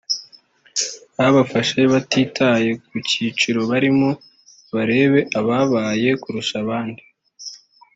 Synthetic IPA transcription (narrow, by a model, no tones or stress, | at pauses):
ahaβafaʃeβatiːtʰaje̞k̚ucit͡ʃiɾo̞βaɾimo | βaɾe̞ːβe̞ʔaβaβaːje̞kuɾuʃaβaːndi